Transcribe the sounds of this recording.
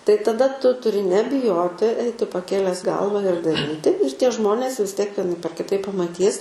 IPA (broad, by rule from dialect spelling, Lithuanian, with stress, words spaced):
tɐɪ tɐˈdɐ ˈtʊ tʊˈrʲɪ nʲɛbʲɪˈjoːtʲɪ ˈɐɪtʲɪ pɐˈkʲeːlʲɛs ˈɡɐlˠʋɐ ɪr dɐˈrʲiːtʲɪ ɪr tʲiɛ ˈʒmoːnʲeːs ʋʲɪs ˈtʲiɛk ʋʲiɛˈnɐɪp ɐr kʲɪˈtɐɪp pɐmɐˈtʲiːs